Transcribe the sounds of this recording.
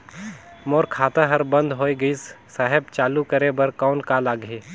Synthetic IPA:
moːɾkʰaːt̪ãɦɐɾbə̃nd̪ɦoːeɡəissaɦɛb̚t͡ʃaːlukɐɾebɐɾkɔːnkaːlaːɡʱeː

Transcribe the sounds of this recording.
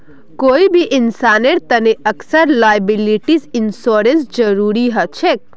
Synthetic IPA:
koːibʱiʔinsaneɾt̪əneʔəksəɾlajəbiliʈisinsoɾensd͡ʒəɾuɾiɦət͡ʃʰek̚

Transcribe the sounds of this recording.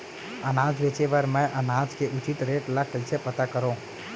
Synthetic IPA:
ənaːd͡ʒʋet͡ʃeʋəɾmɛ̃ʔənaːd͡ʒkeʔʊt͡ʃit̪ɾeːʈlakʰəlt͡ʃʰepət̪akəɾõ

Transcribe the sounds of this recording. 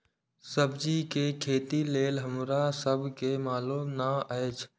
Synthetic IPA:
səbd͡ʒikekʰeːt̪ileːlɦəmɾasəbʱkemaːlumnaʔəet͡ʃʰ

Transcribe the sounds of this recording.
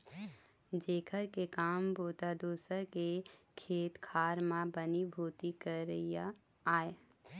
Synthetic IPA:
d͡ʒeːkʰəɾkekaːmboːt̪ad̪oːsəɾkekʰeːt̪kʰaːɾmãbənibʱuːt̪ikəɾija | aːe

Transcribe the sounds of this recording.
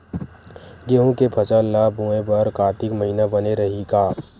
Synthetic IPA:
ɡeːɦũkepʰɐt͡ʃəlːabũẽbɐɾkaːt̪ɪkməɦiːnabɐneɾɐɦikaː

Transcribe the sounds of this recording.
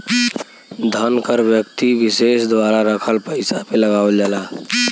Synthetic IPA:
d̪ʱənkəɾbjəkt̪ibisesd̪waɾaɾəkʰəlpəɪsapeləɡald͡ʒala

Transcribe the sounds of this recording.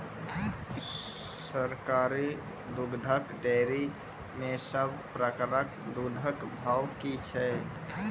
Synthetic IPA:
səɾkaɾi | d̪uɡd̪ʱəkɖeɾi | mẽsəbʱpɾəkɾəkd̪ud̪ʱəkbʱawkit͡ʃʰɛ

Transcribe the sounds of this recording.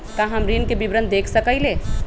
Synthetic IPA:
k̪ãɦɐmɾinkebibɾənd̪̚d̪eːkʰsəkəileː

